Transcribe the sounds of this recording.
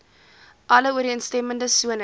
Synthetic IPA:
ʔɐləuəɾiəntstɛməndəsuən

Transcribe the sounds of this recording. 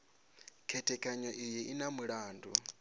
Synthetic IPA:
kʰɛtʰɛkʰʼaɲɔʔijiʔinamuɺaːndʱu

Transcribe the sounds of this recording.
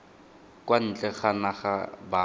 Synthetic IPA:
kʼwan̩t͡ɬʼɛχanaχaba

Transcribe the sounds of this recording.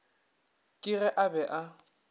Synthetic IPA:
kʼɪrɛʔabɛʔa

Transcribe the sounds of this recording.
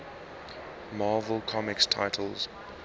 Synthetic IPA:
mɑːvəlˠkʰɔmɪkstʰa̰ɪtʰəlˠz̥

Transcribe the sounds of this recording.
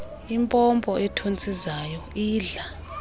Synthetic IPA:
impʼɔmpʼɔʔɛtʰont͡sʼizaːjɔiːɮa

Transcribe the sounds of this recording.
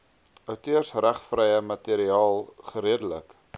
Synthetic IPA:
œwtøərsræχfrɛjəmɐteɾiɑːlˠχəɾiədələ̰k

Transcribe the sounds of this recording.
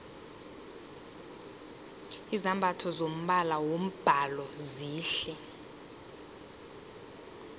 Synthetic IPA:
izambʱatʰɔzom̩ɓalawom̩b̥ʱalɔziːɬɛ

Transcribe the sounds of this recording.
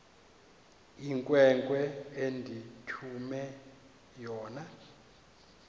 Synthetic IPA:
iŋkʼwɛŋkʼwɛendʱitʰumɛ | jɔːna

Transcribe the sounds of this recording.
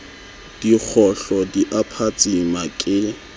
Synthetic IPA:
d̥ik͡xʰɔɬɔdiʔapʰat͡sʼimakʼɪ

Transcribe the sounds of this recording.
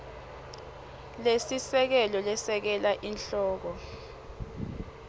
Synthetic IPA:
lesisɛk̬ɛlɔlɛsɛk̬ɛlaʔinɬɔːk̬ɔ

